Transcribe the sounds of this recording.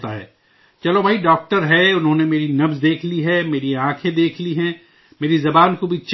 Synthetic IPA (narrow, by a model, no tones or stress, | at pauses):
t̪aɦɛ̰ː | t͡ʃɐlobʱaːiɖaːk̚ʈəɾɦɛʊnɦõːnemeːɾinɐfzd̪eːkʰliɦɛːmeːɾiãːkʰẽd̪eːkʰliɦɛ̃ː | meːɾizɐbaːnkobʱit͡ʃ